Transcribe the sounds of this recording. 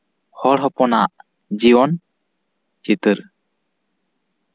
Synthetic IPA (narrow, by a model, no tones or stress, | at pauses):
hɔɽɦɔpɔna̰ʔ | d͡ʒibɔn | t͡ʃit̪ɯɾ